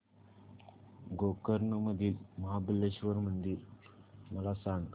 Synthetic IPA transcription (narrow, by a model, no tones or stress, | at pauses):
ɡokəɾnəməd̪ilməɦabilːeʃʋəɾmənd̪iɾməlasaŋk